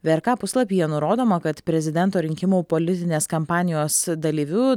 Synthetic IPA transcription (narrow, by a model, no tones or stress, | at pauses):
ʋʲeːɾkɑːpʊslˠɐpʲiːjɛnʊɾoːd̪oːmɐkɐt̪pʲɾʲɛzʲɪd̪ʲɛnˑt̪oːɾʲɪŋʲkʲɪmuːpoːlʲɪt̪ʲɪnʲeːskɐmpɑːnʲɪjoːsd̪ɐlʲiːʋʲʊ